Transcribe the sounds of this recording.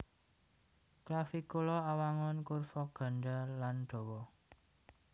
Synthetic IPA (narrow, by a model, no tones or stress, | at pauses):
klafikolɔawaŋɔnkʊrfɔɡ̥a̤ɳɖalanɖ̥o̤wɔ